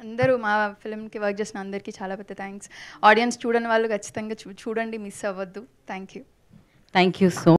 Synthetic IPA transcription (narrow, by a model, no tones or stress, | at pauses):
ɐnd̪ɐɾumaːpʰilmkiʋɐɾk̚t͡ʃeːsinɐɐnd̪ɐɾikiːt͡ʃaːlaːpɛd̪ːɐt̪ʰaːŋksaːɖijɐnst͡ʃuːɽɐnʋaːɭːukʰɐt͡ʃːi̥t̪ɐŋɡaːt͡ʃuːɽɐɳɖimisaːʋɐd̪ːut̪ʰaːŋkjuː | t̪ʰaːŋkjuːsoː